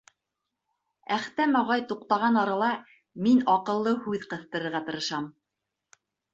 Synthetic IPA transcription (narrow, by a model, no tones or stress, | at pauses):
æχt̪æmɑʁɑjt̪uqt̪ɑʁɑnɑɾɑlˠɑ | minɑqɤ̆lˠːɤhʉðqɤ̆θt̪ɤ̆ɾɤ̆ɾʁɑt̪ɤ̆ɾɤ̆ʃɑm